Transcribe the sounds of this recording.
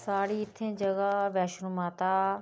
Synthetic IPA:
saːɽiːɪt̪ʰːẽːd͡ʒəɡaːʋɛːʃnũmaːt̪aː

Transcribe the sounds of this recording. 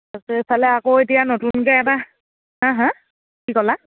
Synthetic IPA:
atesalɛakoetijanotunkɛɛba | ɦãɦã | kikɔla

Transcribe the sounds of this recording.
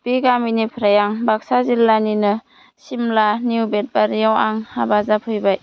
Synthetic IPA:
b̥iɡaminipʰɾajaŋbak̚sazilːaninɯ | simlaniubet̚baɾijawaŋhabazapʰɯjbaj

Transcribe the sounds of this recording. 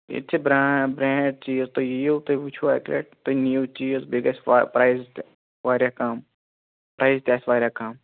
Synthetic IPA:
ḭtt͡ʃʰibɾaːbɾɛ̃ːɖ̚t͡ʃiːzt̪ojiot̪oʋit͡ʃʰua̰klḛʈ̚t̪onjuːt͡ʃiːzbiɡɐspɾaːiz | ʋaːɾjakaːm | pɾaːizt̪ʲjaːsʋaːɾjaːkaːm

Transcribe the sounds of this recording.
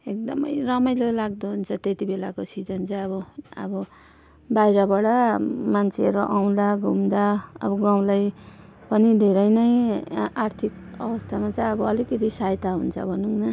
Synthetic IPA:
ek̚d̪ʌmʌ̰jrʌmʌjlelaɡd̪oɦunt͡sʰʌt̪et̪ibelakosʰid͡zʌnt͡sʰʌʌβʌʌ̰bʌ | bajɾʌbʌɽʌmant͡sʰeʌɾoʔaw̃d̪aɡʱumd̪aʌ̰bʌɡãw̃lajpʌnid̪ʱeɾʌjnʌjart̪ʰikʌbʌst̪ʰamat͡sʌjʌbʌʌlikʌt̪isajt̪aɦunt͡sʰʌ̰bʱʌnuŋnʌ

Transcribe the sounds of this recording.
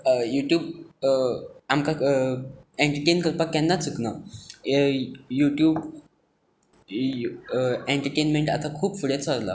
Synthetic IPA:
juʈjuːb | amka | eɳʈəɾʈenkəɾpakɛnːat͡səkna | juʈjuːb | eɳʈəɾʈenmeɳʈa̰t̪akʰuːbfuɽet͡saɾla̰

